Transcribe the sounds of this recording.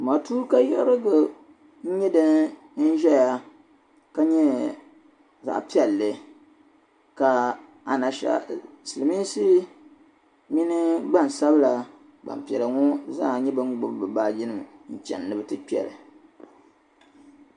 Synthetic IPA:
ma˨tuː˦ɾka˦jɛ˦ɾɨ˦ɡʊ˨ | n̩˦ɲɛ˦dɨ˦n | n̩˦ʒɛ˦ja˨ | ka˦ɲɛ˦ | za̰˨ʔpi˦ɛ˨lːɨ˨ | ka˨ | a˨na˨ʃa̰˨sɨ˨lɨ˨mi˦n˦sɨ˦ | mi˦nɨ˦ɡ͡ba˦˨n˨sa˦bɨ˦la˨ | ɡ͡ba̰˨m˨pi˨ɛ˨lɨ˨ŋɔ˦za˦˨ɲɛ˦bɨ˦ŋ˦ɡ͡bʊ˨bbɨ˨ba˦d͡ʒɪ˦nɨ˨mn̩˨t͡ʃɛ̰˨nːɨ˨bɨ˦tɨ˦k͡pi˦ɛ̰˨lɨ̰˨

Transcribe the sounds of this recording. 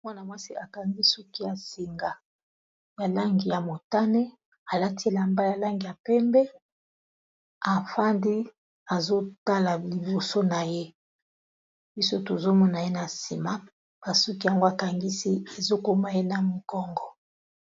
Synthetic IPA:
mwa˦na˨mwa˦si˦a˨ka˨ŋɡi˦su˦ki˦ja˨si˨ŋɡa˨ | ja˨la˦ŋɡi˨ja˨mo˨ta˦ne˦ | a˨la˦ti˦˨la˨mba˦ja˨la˦ŋɡi˨ja˨pɛ˦mbɛ˦ | a˨fa˦ndi˦ | a˨zo˦ta˦la˨li˨bo˨so˦na˨je˦ | bi˦so˦to˨zo˦mɔ˦na˨je˦na˨si˨ma˦ | ba˨su˦ki˦ja˦ŋɡo˦a˨ka˨ŋɡi˦si˦e˨zo˦ko˦ma˦je˦na˨mo˨kɔ˦ŋɡɔ˨

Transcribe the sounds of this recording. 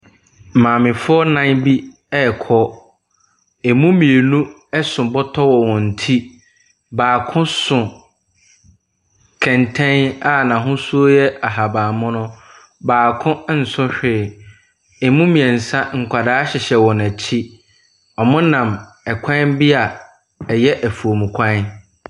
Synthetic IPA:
mãː˨mɪ̃˨fʊ˦ɔ˦nã˦nbi˦ | ɛ˦˨kʰɔ˦ | ɛ˨mũ˦mĩ˨e˨nũ˦ | ɛ˦sʊ̃˨bɔ˦tʰɔ˦wɔ˨wɔ̃˨n̩˨tʰi˦ | baː˨kʰʊ̃˦sʊ̃˨ | kʰɛ̃˨ntʰɛ̃˦na˨nã˨ɦʊ̃˦su˦o˦jɛ˦ʔa˨ɦa˨baː˨mʊ̃˦nʊ̃˦ | baː˨kʰʊ̃˦n̩˨sʊ̃˦ɕᶣɪː˨ | ɛ˨mũ˦mĩ˨ɛ̃˨n̩˨sã˦ŋ̩˨kʷʰa˨daː˦ɕɪ˨ɕɛ˨wɔ̃˨næ˨t͡ɕʰi˦ | ɔ˨mʊ̃˦nã˨m | ɛ˨kʷʰã˦nbɪ˦a˨ | ɛ˨jɛ˦ʔæ˨fu˨o˨mũ˨kʷʰã˦

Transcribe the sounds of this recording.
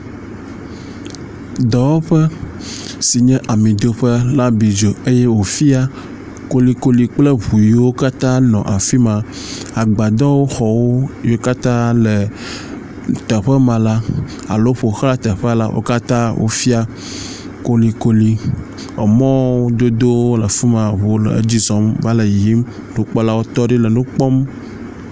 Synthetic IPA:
d̪ɔ˨wo˦ɸɛ˦ | si˨ɲɛ̃˦ʔa˨mĩ˨d̪o˨ɸɛ˦la˦bi˨d͡ʒo˨e˦jɛ˦wo˨fi˦a˦ | ko˦li˨ko˦li˨k͡plɛ˦βu˨ji˨wo˦ka˦t̪ã˦nɔ̰̃˨ʔa˨fi˦mã˨ | a˨ɡ͡ba˨d̪ɔ˦wo˦xɔ˨wo˦jo˦ka˦t̪ã˦lɛ˨ | t̪ə˨ɸə˦mã˨la˦ | a̰˨lo˦ɸo˨˦xa˦t̪ə˨ɸɛ˦a˨la̰˦ʔo̰˦ka˦t̪ã˦wʔo̰˦fi˦a˦ | ko˦li˨ko˦li˨ | e˨mɔ̃˦o˦d̪o˦d̪o˦lə˨fu˦mã˨βo˨wo˦l̰d͡ʑi˦zɔ̃˨mva˦lə˨ji˦m | ɖũ˨k͡pɔ˦la˦wo˦t̪ɔ˦ɖi˦lə˨nũ˦k͡pɔ˦m

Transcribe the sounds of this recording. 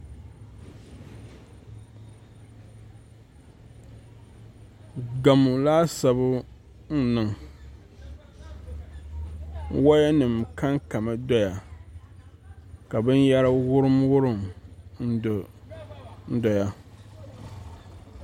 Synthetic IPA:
ɡa˨mu˨laː˦sa˨bʊ˦ | n̩˦nɨ˨ŋ˦ | wa˦ja˦nɨ˨mka˦ŋka˨ma˦dɔ˦ja˨ | ka˨bɨ˦n˦ja˦ɾa˦wʊ˦ɾɨ˦mwʊ˦ɾɨ˦˨mn̩˦d | n̩˦dɔ˨ja˨

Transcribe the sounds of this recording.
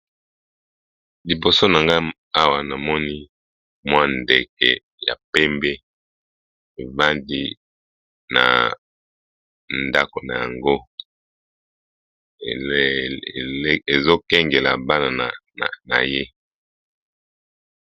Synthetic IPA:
li˨bo˨so˦na˨ŋɡa˦ | a˦wa˨na˨mɔ˦ni˦ | mwa˦nde˨kɛ̰˨ | ja̰˨pɛ˦mbɛ˦ | e˨va˦ndi˦ | na̰˨ | nda˦ko˨na˨ja˨ŋɡo˦˨˦ | e˨zo˦kɛ˦ŋɡe˨la˨ba˦na˨n˨ | na̰˨je˦

